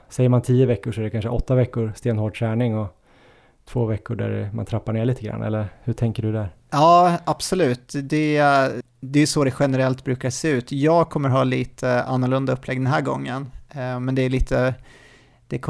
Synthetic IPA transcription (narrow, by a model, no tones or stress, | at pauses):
sɛjəɾmant̪ʰiːəvɛkːʊʂɔɛɖɛkʰanʂəʔɔt̪ːavɛkːʊɾst̪eːnhoːʈ̚t̪ʰɾæːɳɪŋɔ | t̪ʰvoːvɛkːʊɖæ̰ɾma̰nt̪ʰɾapːaɳeːɭiːt̪əɡɾa̰nːʔɛ̰lːəɾhɵʈʰɛŋkəɖɵd̪æɾ | ɑːab̥sɔlʉ̟ːt̪d̪ɛ | d̪ɛjɵsoːd̪ɛɧɛnəɾɛlt̪bɾʉ̟ːkaseːʉ̟ːt̪jɑːɡkʰɔmːəɾɦɑːliːt̪ʰəa̰nːʊɭɵnd̪aɵpːlɛɡ̚d̪ɛnɦæːɾɡɔ̰ŋːənmɛnd̪ɛːɭiːt̪ʰə | d̪̥ɛkʰ